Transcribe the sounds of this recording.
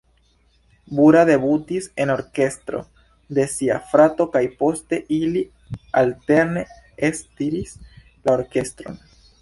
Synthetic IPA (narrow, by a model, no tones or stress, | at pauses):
buɾade̞butise̞no̞ɾke̞stɾo̞̰ | de̞sia̰fɾato̞kajpo̞ste̞ʔili | alte̞ɾne̞ | estiɾis | lao̞ɾke̞stɾo̞̰n